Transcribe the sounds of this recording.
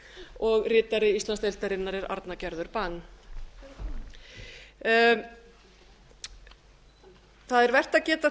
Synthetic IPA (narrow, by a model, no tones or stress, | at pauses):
ɔɣrɪːt̪aɾɪist̪lanst̪ejlt̪aɾɪnːaɾɛɾa̰ɾt̪nacɛɾðʏɾpanː | θaðɛɾvɛr̥t̪aðcɛːt̪a